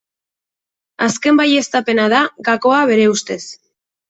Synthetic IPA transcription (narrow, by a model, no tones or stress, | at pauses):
aske̞mbaje̞st̪ape̞naðaɣako̞aβ̞e̞ɾe̞ust̪e̞s